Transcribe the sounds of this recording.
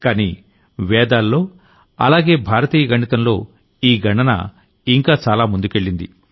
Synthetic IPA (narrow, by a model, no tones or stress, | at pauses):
kaːni | ʋɛːd̪aːlːo̞ː | ɐ̰laːɡe̞ːbʱaːɾɐt̪iːjɐɡɐɳit̪ɐmlo̞̰ː | iːɡʱɐɳɐnɐ̰ | iŋkaːt͡ʃaːlaːmund̪uke̞ɭːind̪ḭ